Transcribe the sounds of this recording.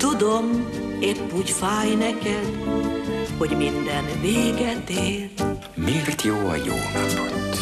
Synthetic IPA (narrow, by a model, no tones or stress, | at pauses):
t̪ud̪o̞m | epːuɟfaːjnɛkɛd̪ | ho̞ɟmind̪ɛnveːɡɛt̪eːl | meːrt̪joːɒ̰jo̰ːkɔpont̪ː